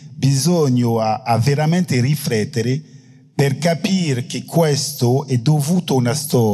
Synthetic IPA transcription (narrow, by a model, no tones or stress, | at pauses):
bizɔɲoaaveɾamɛnt̪erifɾɛt̪ːeɾe | perkapiɾkekʰwɛst̪oɛd̪ovuːt̪onast̪ɔ